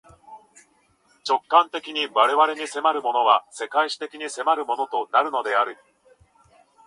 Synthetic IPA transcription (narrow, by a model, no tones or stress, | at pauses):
t͡ɕo̞kːãnt̪e̞kʲiɲ̟iβaɾe̞βaɾe̞ɲ̟ise̞maɾɯ̟mo̞no̞βase̞kaiɕi̥t̪e̞kʲiɲ̟ise̞maɾɯ̟mo̞no̞t̪o̞naɾɯ̟no̞d̪e̞aɾɯ̟